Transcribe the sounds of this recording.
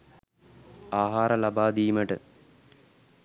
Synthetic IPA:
aːɦaːɾəlabaːd̪iːməʈə

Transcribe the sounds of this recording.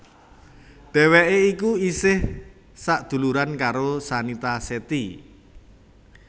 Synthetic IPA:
ɖ̪̥ɛ̤weʔeikuisɪh | saʔd̪̥ṳluɾankaɾosanit̪aset̪i

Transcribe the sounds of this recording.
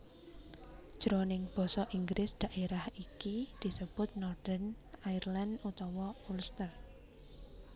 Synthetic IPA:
ʒ̥ɾonɪŋb̥ɔ̤sɔʔiŋɡɾʔɪsd̪̥a̤ʔeɾahikid̪̥i̤səb̥ʊ̤t̪̚nɔrd̪̥ən | airlanut̪ɔwɔulst̪ər

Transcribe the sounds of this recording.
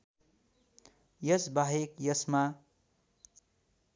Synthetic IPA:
jʌsbaɦekjʌsma

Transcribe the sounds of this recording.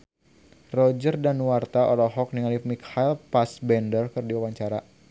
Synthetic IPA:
rɔd͡ʒərdanwart̪aʔɔlɔɦɔk̚niŋalimikʰailpasbɛndərkɨrdiwawaɲt͡ʃaɾa

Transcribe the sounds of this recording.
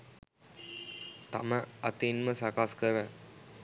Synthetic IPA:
t̪ɐ̰məɐt̪inməsakaːskəɾə

